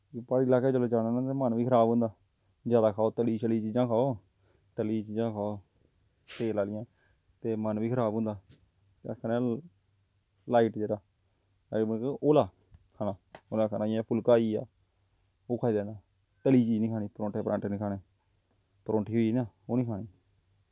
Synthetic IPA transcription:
paːɽilaːkeːd͡ʒəloːt͡ʃaːnaːnãt̪eːmənʋiːkʰəɾaːbɦʊ̃ːnd̪aː | d͡ʒjaːd̪aːkʰaːoːt̪əliːʃəliːt͡ʃiːd͡ʒãːkʰaːoː | t̪əliːt͡ʃiːd͡ʒãːkʰaːoː | t̪eːlaːlɪjãː | t̪eːmənʋiːkʰəɾaːbɦʊ̃nd̪aː | t̪ːkʰaːneː | laːiːʈd͡ʒeːɽaː | aʔoːlaː | kʰaːnãːoːlaːkʰaːnaːãːpʰʊlkaːiːa̰ː | oːkʰaːiːd̪ãːnaː | t̪əliːt͡ʃiːd͡ʒnĩːkʰaːñiːpɾõːʈeːpɾã̰ːɳʈːnĩːkʰaːneː | pɾõːɳʈʰiːɦoiːnaːoːnĩːkʰaːɽiː

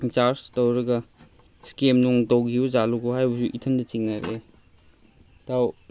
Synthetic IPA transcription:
t͡ʃaɾstowɾɐɡɐ | skemnuŋdowɡiuzaluɡohajbɐsuʔitʰɐndɐt͡ʃiŋnaɾe | taw

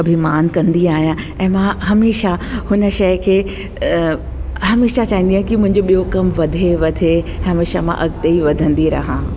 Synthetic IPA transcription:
ɐbʱimaːnkɐ̃nd̪iaːɦijã | ɛ̃ːmãɦɐmeːʃahʊnəʃɐjkʰeː | ɦɐmeːʃat͡ɕaːɦĩnd̪ijãːkimʊ̃ɦɪ̃ɲ̆d͡ʑoɓijokɐmʋɐd̪ʱeʋɐd̪ʱẽɦɐmeːʃamã̰ʔɐɡt̪eiʋɐd̪ʱə̃nd̪iɾɐ̰ɦãː

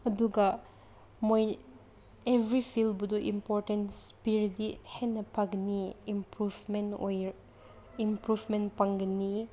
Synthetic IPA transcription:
ɐduɡa | moj | ebʱɾipʰilbud̪uʔḭmpoɾtenspiɾdihenɐpʰaɡniimpɾufmeno̰j | impɾuvmenpaŋɡɐni

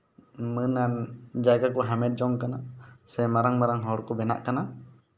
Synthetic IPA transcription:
mənand͡ʒaɡakɔɦamɛʈ̚d͡ʒɔŋkanaʔsɛmaɾaŋmaɾaŋɦɔɽkɔbɛna̰ʔkana

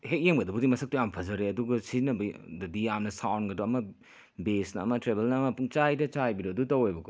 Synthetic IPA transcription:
hek̚jemɡɐdɐbudimɐsʰɐk̚tujampʰɐzɐɾeɐduɡɐsinɐbɐdɐdijamnɐsawnɡɐdoɐmɐ | besnɐɐmɐtɾebelnɐːmɐpuŋt͡ʃajdɐt͡ʃajbiɾodutɐwojbɐko

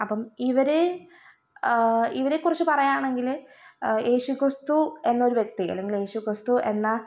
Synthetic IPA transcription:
ɐpːɐmiʋɐɾe | iʋɐɾekːurɐt͡ɕːɨpɐrɐjaːɳe̞ŋɡil | jeːɕukrɨst̪ue̞nːɐoɾuʋje̞k̚t̪iɐ̰lːe̞ŋɡilje̞ːɕukrɨst̪ue̞nːɐ

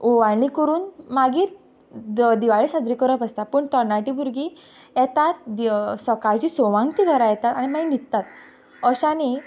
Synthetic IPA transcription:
oʋaɭɽikəɾuːnmaɡiːɾ | d̪iʋaɭisãd̪ɾikəɾəpəst̪apəɳt̪əɾnaʈibʱuɾɡi | jɛt̪at̪̚isəkaɾt͡ɕiːsɔʋãŋɡt̪iːɡʱəɾajɛt̪at̪aɽ̃imainit̪t̪at̪̚ | əɕani

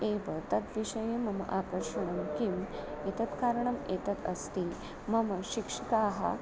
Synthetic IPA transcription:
eʋət̪ɐt̪ʋiʂɐjemɐmɐ̰ʔakɐɾʂɐɳ̃ɐmkim | et̪ɐt̪kaɾɳɐmet̪ɐt̪ɐ̰st̪i | mɐmɐɕikʂikaɦa̰

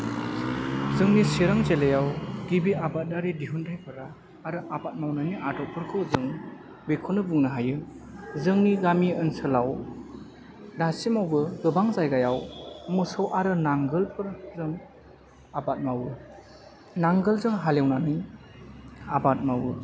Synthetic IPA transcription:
zɯŋnisiɾaŋzelejawɡibiabat̚daɾidiɦundʰajpʰɯɾaː | ɾɯʔabat̚mawnaniʔadɔk̚pʰɯɾkʰɯwzɯŋ | bikʰunɯbuŋnɯɦajɯ | zɯŋniɡamiɯnsɯlaw | dasimawbɯɡɯbaŋzajɡajawmɯsɯwʔaɾɯnaŋɡɯlpʰɯɾzɯŋ | abat̚mawɯ | naŋɡɯlzɯŋɦalewnani | abat̚mawɯ

